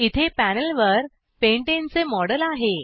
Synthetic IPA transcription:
it̪ʰepænəlʋəɾ | peɳʈẽnt͡semɔɽəlaɦe

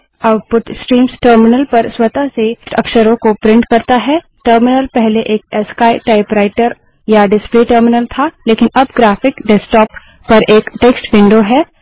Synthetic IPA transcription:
aʊʈ̚pʊʈsʈɾiːmsʈəːɾmɪnəlpɐɾswɐt̪asesʈɐkʃəɾõkopɾɪ̃ɳʈkɐɾt̪aɦɛː | ʈəɾmɪnəlpɛɦleʔeːk̚ɛskaːeʈaːɪpɾaːɪʈəɾ | jaɖɪspliʈəːɾmɪnəlt̪ʰaːleːkɪnɐbɡɾaːfɪkɖɛsʈɔːpː | ɐɾʔeːkʈeksʈʋɪ̃ɳɖoɦɛː

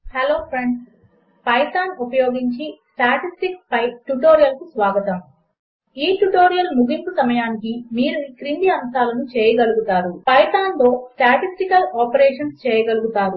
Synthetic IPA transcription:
heloːpʰɾeɳɖs | pɐjt̪aːnupɐjoːɡiɲt͡ʃisʈaːʈisʈikspɐjʈuʈoːɾijɐlkusʋaːɡɐt̪ɐm | iːʈuʈo̞ːɾijɐlmuɡimpusɐmɐjaːnikimiːɾunikɾind̪iɐmsaːlɐnut͡ʃɛːjɐɡɐluɡut̪aːɾupɐjt̪aːnlo̞ːsʈaːʈisʈikɐlɔːpɐɾɛːʂɐnst͡ʃɛːjɐɡɐluɡut̪aːɾu

